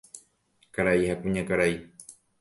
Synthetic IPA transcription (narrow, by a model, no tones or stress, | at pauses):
kaɾaihakũɲãkaɾai